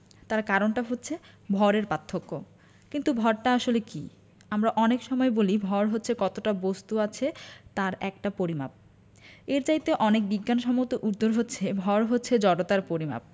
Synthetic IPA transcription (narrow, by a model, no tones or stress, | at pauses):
t̪aɾkaɾonʈaɦotːɕʰe | bʱɔɾeɾpat̪ʰːokːo | kint̪ubʱɔɾʈaaʃolekḭ | amɾaʔɔnekʃɔmɔebolibʱɔɾɦotːɕʰekɔt̪oʈabost̪uat͡ɕʰet̪aɾɛ̰k̚ʈapoɾima̰p̚ | eɾt͡ɕajt̪eʔɔnek̚biɡːanʃɔmot̪oʔuɾd̪ːoɾɦotːɕʰebʱɔɾɦotːɕʰed͡ʑɔɖot̪aɾpoɾima̰p̚